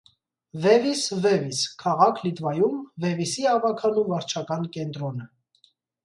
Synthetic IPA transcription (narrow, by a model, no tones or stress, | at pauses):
vɛvisvɛviskʰɑʁɑkʰlit̪vɑjumvɛvisiɛɑvɑkʰɑnumvɑɾt͡ʃʰɑkɑnkɛnt̪ɾɔnə